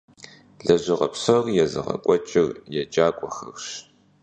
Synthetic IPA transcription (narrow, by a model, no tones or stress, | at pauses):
ɮɐʑɪʁɐ̰psɐrjɛzɨ̰ʁɐ̰kʷʼɔt͡ʃʼɪrjɛd͡ʒʼaːkʷʼɔxɐ̰xɕ